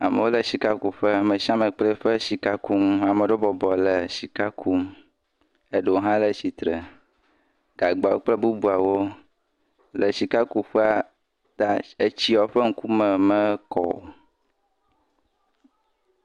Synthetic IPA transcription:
a˨mə˨wo˦lə˨si˨ka˦ku˨ɸə˦mə̃˨ʃã˦mə̃˨k͡ple˦ɸə˦si˨ka˦ku˦ma˨mə˨ɖo˦bɔ˨bɔ˨lə˨si˨ka˦kʰu˦m | e˦ɖo˨˦ɦã˦lə˨si˨t̪ɾə˨ | ɡ̥a˨ɡ͡ba˨wo̰˦k͡plə˦bu˦bu˦a˨wo˦ | lə˨si˨ka˦ku˦ɸɛ˦a˨ | t̪a˦e˦t͡ɕi˦ɔ˨˦ɸə˦ŋ̩˦ku˦mə˨mə˦kɔ̰˨

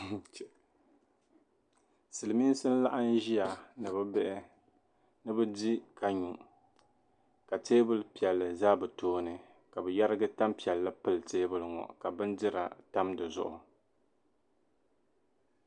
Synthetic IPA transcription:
sɨ˨lɨ˨mi˦n˦sɨ˦n̩˦la˦ʔa˦n˦ʒi˦ja˨nɨ˨bɨ˦bɛ˦ʔɪ˦ | nɨ˦bɨ˦di˦ka˨ɲu˨ | ka˨teː˦bɨ˦lpi˨ɛ˨lːɨ˨zaː˦bɨ˨toː˦nɨ˨ | ka˨bɨ˨ja˦ɾɨ˦ɡɨ˦ta˦mpi˨ɛ˨lːa˦pɨ˦lteː˦bɨ˦lŋɔ̰˨ka˨bɨ˦ndɪ˦ɾa̰˨ta˦mdɨ˨zʊ̰˨ʔʊ̰˨

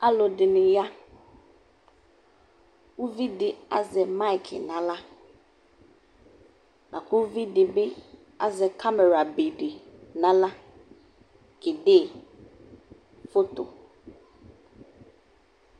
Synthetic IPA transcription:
a˦lo˨dɪ˨nɪ̃˨ja˦ | wu˦vi˦dɪ˨a̰˦zɛ˨ma˦ɪ˨kʰɪ̰˨nã˨la˦ | nʔã˨kʰʊ˦vi˦dɪ˨be˦ | a˦zɛ˨kʰa˦mɛ˨ɾa˨be˨dɪ˨nã˦la˦ | kɪ˨deː˦˨ | fo˦t̪o̰˨

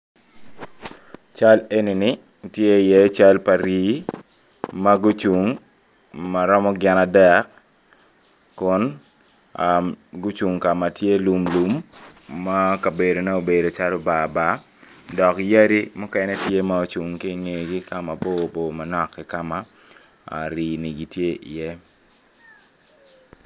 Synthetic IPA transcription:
t͡ʃa˦le˦ni˨ni˦ | tje˦˨jɛ˨˦t͡ʃa˦lpa˨ɾi˦ | maɡʊ˦t͡ʃu˨ŋ | ma˨ɾɔ˦mɔ˦ɡɪ˦na˨dɛ˦k | kʊ˦n | aɡʊ˦t͡ʃu˨ŋka˨ma˨tje˦lu˨mlu˨mː | a˦ka˨be˨do˨nɛ˦o˨be˨do˨t͡ʃa˦lo˦ba˨ba˦ | dɔ˨kja˦ɾi˦mʊ˦kɛ˦nɛ˦tje˦ma˦o˦t͡ʃu˨ŋki˦ŋe˨ɡi˦ka˦ma˨bo˦bo˨ma˨nɔ˨kːɪ˦ka˦ma̰˦˨ | ɾiː˨ni˨ɡi˨tje˦ʔḭ˨jɛ˦

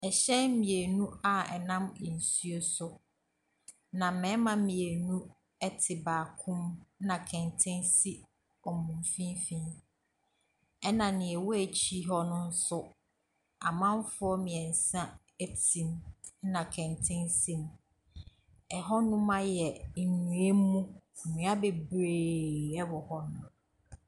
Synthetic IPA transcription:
ɛ˨ɕɛ˦n˦mĩ˨e˨nũ˦a˨ɛ̰˨nã˦m˨n̩˨su˦o˦sʊ˦ | nã˨mɛ̃˨˦mã˦mĩ˨e˨nũ˦ | ɛ˦tʰɪ˨baː˨kʰʊ̃˦m˦nã˨kʰɛ̃˨ntʰɪ̃˦nsi˦ | ɔ˨mũ˨m˨fĩ˦nfĩ˦ | ɛ˦nã˨nɪ̃˨ɛ˨wɔ˦æ˨t͡ɕʰi˦ɦɔ˦nʊ̃˦n̩˦sʊ˦ | a˨mã˦m˦fʊ˦ɔ˦mɪ̃˨ɛ˨n̩˨sã˦ | e˦tʰĩ˨mnã˨kʰɛ̃˨ntʰɪ̃˦nsĩ˦m | ɛ˨ɦɔ˦nʊ̃˦mã˦jɛ˨ɲũ˨e˦mũ˦˨mĩ˨˦a˦be˨bɾe˨ɛ˦wɔ˨hɔ˦nʊ̃˨

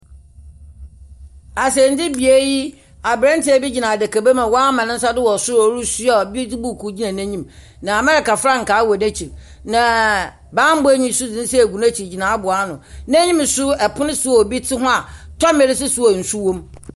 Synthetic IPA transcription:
a˨sɛ˨n̩˦dɪ˦bi˨e˦ji˦ | a˨bɾɛ̃˦n˦tʰɪ˦æ˨bi˦d͡ʑi˨nã˨dɛ˨kʰa˨be˦mã˨wɔ˦a˦mã˨nɪ̃˦n̩˦sa˦dɪ˦wɔ˨sʊ˦ɔ˨˦ɾu˦sʊ˦ɔ˨bi˦tɪ˦bu˦˨kʰu˨d͡ʑi˦nã˨nɛ̃˦ɲĩ˦m | nã˨mɛ˦ɾɛ˨ka˨fɾa˦ŋ̩˨kaː˨˦wɔ˨nɛ˦t͡ɕʰi˨ɾ | nã˨ | bãː˦m̩˦be˦ɲĩ˦sʊ˦d͡zɪ̃˦n̩˦sɛ˦æ˨ɡu˨n˦æ˦t͡ɕʰi˨d͡ʑi˨nã˨˦a˦bʊ˨a˦nʊ̃˨næ̃˦ɲĩ˦m˨sʊ˦ɛ˨pʰʊ˦nɪ̃˦sʊ˦ɔ˨bi˦tʰɪ˦ɦʊ̃˦a˨tʰɔ˦me˨˦ɾɪ˦sʊ˦sʊ˦ɔ˨n̩˨su˦wõ˦m

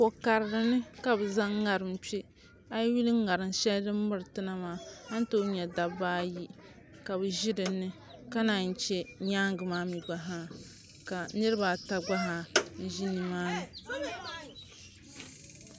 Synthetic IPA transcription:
po˨ka˨ɾɨ˨ɾɨ˦nɨ˦ka˨bɨ˨za˦ŋː˦a˨ɾɨ˨m̩˦t͡ʃi˦ | a˦jwi˦lɨː˦a˨ɾɨ˨nʃɛ˦ldɨ˦mː˦ɨ˦ɾɨ˨tɨ˦na˦maː˦a˦n˦to˦ɲɛ˨da˨baː˦ji˦ | ka˨bɨ˨ʒi˦dɨ˨nɨ˦ | ka˦na˨n̩˨t͡ʃɛ˦ɲaː˦ŋɡɨ˨maː˦mi˨ɡ͡ba˨ɦaː˦ | ka˨nɨ˦ɾɨ˦ba˨ta˦ɡ͡ba˦ɦa˨n̩˦ʒi˦nɨ˨maː˦nɨ˨

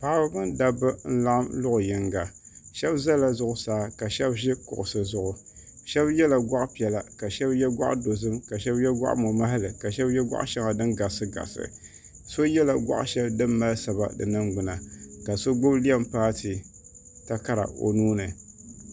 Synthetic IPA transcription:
pa˨ʔba˦bɨ˦nda˦bɨ˦n̩˦la˦ʔa˦mlʊ˦ʔʊ˨jɪ˨ŋɡa˨ʃɛ˦bza˦la˨zʊ˦ʔʊ˦saː˨˦ka˨ʃɛ˦bʒɪ˦kʊ̰˨ʔʊ˨sɨ˨zʊ˨ʔʊ˨ | ʃɛ˦bjɛ˦la˨ɡʷa˦ʔpi˨ɛ˨la˨ka˨ʃɛ˦bjɛ˦ɡʷa̰˦ʔdo˨zɨ˦mka˨ʃɛ˦bjɛ˦ɡʷa̰˦ʔmo˨ma˦ɦa˦lɨ˨ka˨ʃɛ˦bjɛ˦ɡʷa̰˦ʔʃɛ˦ŋa˨dɨ˦nɡa˨sɨ˦ɡa̰˨sɨ̰˨ | so˦jɛ˦la˨ɡʷa̰˦ʔʃɛ˦bdɨ˦mːa˦lsa˨ba̰˨dɨ̰˨nɨ˦ŋɡ͡bʊ˨na˨ka˨so˦ɡʊ˦bli˦ɛ˦mpaː˦tɨ˨ | ta˦ka˦ɾa̰˨o̰˨nuː˦nɨ˨

